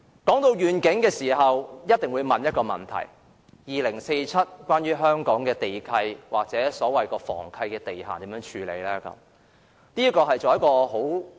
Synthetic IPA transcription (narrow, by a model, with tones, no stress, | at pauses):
kɔː˨˥ŋt̪o˧wjyː˨nkɪ˨˥ŋkɛː˧siː˨˩ɦɐ˨wjɐ˥t̚t̪ɪ˨ŋwuː˨˧jmɐ˨njɐ˥t̚kɔː˧mɐ̰˨˩nt̪ʰɐ̰˨˩j | jiː˨lɪ˨˩ŋse˧jt͡sʰɐ˥t̚kʷwʷaː˥nɥyː˥ɦœː˥ŋkɔː˨˥ŋkɛː˧t̪e˨jkʰɐ˧jwa̰ː˨k̚t͡sɛː˨˥sɔː˨˥wɐ˨jkɔː˧fɔ̰ː˨˩ŋkʰɐ˧jkɛː˧t̪e˨jɦaː˨t̪iː˨˥mjœː˧˥ŋt͡ʃʰyː˨˧lḛ˨˧jlɛː˥kɐ̰˨˧˥m | niː˥kɔː˧ɦɐ˨jt͡so˨jɐ˥t̚kɔː˧ho˨˥w